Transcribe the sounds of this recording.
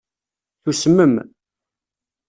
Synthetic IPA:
θusəmːəm

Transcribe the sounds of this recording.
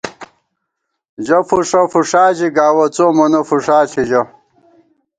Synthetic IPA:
d͡ʑɐfuʂɐfuʂaːʑiɡaːwɐt͡soːmɐnɐfuʂaːɬʰid͡ʑɐ

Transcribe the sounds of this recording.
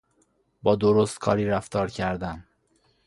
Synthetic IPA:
bɒːd̪oɾost̪kʰɒ̰ːɾiːɾæft̪ɒːɾcʰæɾd̪æn

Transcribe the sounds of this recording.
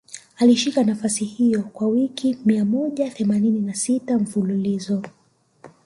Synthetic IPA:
aliʃikanafasihijɔkwawikimiamɔʄaθɛmanininasitaɱ̩fululizɔ

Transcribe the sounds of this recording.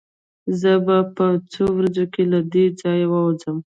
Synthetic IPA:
zəbapət͡sowɾazokelad̪ed͡zɑjwɑwd͡zəm

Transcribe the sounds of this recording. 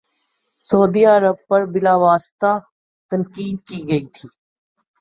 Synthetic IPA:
soːd̪iːəɾəb̚pɐɾbɪlaːʋaːst̪a | t̪ənkiːd̪kiɡɐiːt̪ʰiː

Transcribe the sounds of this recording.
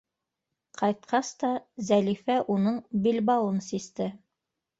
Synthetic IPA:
qʰɑjt̪̚qɑst̪ɑzælifæʔunɤɴbilbɑw̪ˠɤnsist̪ɘ

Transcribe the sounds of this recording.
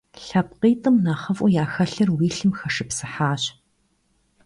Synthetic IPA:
ɬɐp̚qiːtʼɨmnaːχɐfʔʷʊjaːxɐɬɐrwiːɬɨmxɐʂɨpsɨħaːɕ

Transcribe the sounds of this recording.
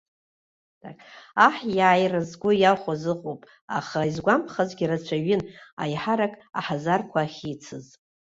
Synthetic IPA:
dakʼaħjaːjrazɡʷʊjaχʷazɨqʼowpʼ | a̰χaizɡʷampʰχazɡʲirat͡ɕʷʰaɥɪna̰jħaɾakʼa̰ħazarkʷʰaːχʲit͡sʰɨz

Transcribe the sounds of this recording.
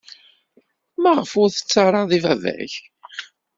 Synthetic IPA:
mæʁəfʊɾθə̥t͡sːɑɾˤɑðˤivævæ̰ç

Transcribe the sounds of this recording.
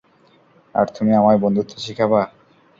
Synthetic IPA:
a̰ɾt̪umiamaebond̪ʱut̪ʰːeʃikʰaba

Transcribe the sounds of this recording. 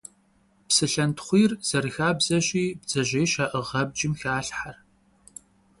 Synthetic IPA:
psɨɬɐntʰχʷiːrz̥ɐrɨxaːbzɐʑʼiːb̚d͡zɐʑejʃaːʔɨʁɐb̚d͡ʒɪmxaːɬħar

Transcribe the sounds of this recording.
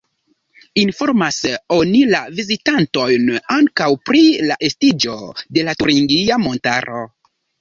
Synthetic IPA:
info̞ɾmaso̞nilavizitanto̞jnaŋkawpɾilaʔe̞stid͡ʒo̞de̞latuɾiŋɡiamo̞ntaɾo̞

